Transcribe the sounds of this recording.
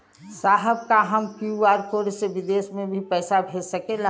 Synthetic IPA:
saːɦəb̚kaɦəmkuaːɾkoɾseʋɪd̪esmẽbʱipɛːsabʱed͡ʒsəkela

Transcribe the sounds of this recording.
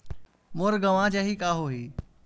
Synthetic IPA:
moːɾɡəʋãd͡ʒaɦikaːɦoːɦiː

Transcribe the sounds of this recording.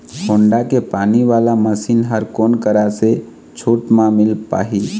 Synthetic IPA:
kʰoːɳɖakepaːniʋaːlaməsiːnɦəɾkoːnkəɾase | t͡ʃʰuːʈmãmɪlpa̰ːɦi

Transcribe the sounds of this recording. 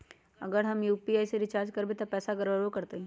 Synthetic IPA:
ɐ̰ɡəɾɦɐmjuːpiaːiseɾɪt͡ʃaːɾd͡ʒkɐɾbet̪ɐpɛːsaɡɐɾʋəɾokɐɾt̪eɦɛ̃ː

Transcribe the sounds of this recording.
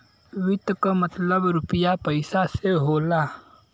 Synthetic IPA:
wɪt̪kamət̪ləbɾʊpɪjapəɪsaseɦoːlaː

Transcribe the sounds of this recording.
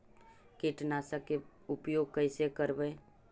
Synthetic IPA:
keʈnaːsake | ʊpjoːɡ̚kəɪsekəɾbəe

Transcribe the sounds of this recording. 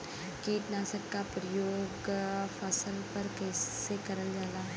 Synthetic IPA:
kiːʈ̪naːsəkkapɾəjoːɡfɐsəlpɐɾkɛːsekɐɾəld͡ʒaːlaɦɛ

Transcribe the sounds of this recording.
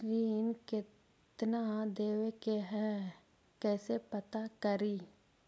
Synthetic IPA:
ɾiːnkɪ | t̪nad̪eːwekeɦɛ | kɛːsepət̪akəɾiː

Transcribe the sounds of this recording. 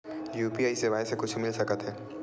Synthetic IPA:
juːpiaːisebaːɪsekʊt͡ʃʰmɪlsɐkət̪ɦɛː

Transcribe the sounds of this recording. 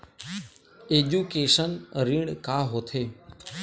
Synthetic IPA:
eːʄuːkeːʃənɾiːɳkaːɦoːt̪ʰeː

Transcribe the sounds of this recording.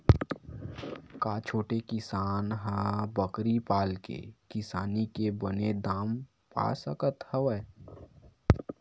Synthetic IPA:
kaːt͡ʃʰoːʈekɪsaːnɦabəkɾipaːlkḛkɪsaːnikebəned̪aːm | pa̰ːsəkət̪hɛwɛ

